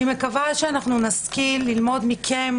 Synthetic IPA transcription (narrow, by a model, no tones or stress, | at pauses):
imekavaʃeanaχnunaskilːilmo̞d̪mikʰem